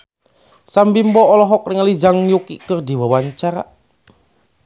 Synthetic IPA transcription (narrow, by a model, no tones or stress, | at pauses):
sambimbɔɔlɔɦɔk̚nɪŋlid͡ʒaŋjukḭkərd̪i̤wawaɲt͡ʃaɾa̰